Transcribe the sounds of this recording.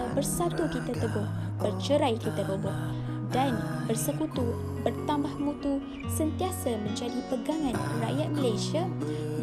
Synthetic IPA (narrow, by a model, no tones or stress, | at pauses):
bərsat̪ukit̪at̪əbʊh | bərt͡ʃəɾajkit̪at̪əbʊh | danbərsəkut̪u | bərt̪ambahmũt̪u | sənt̪iasamə̃ɲd͡ʒadipəɡaŋãnra̰ʔjat̪̚mə̃lajsia